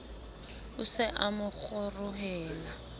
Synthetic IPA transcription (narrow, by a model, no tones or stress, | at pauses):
ʊsɪʔamʊk͡xʊrʊɦɛːla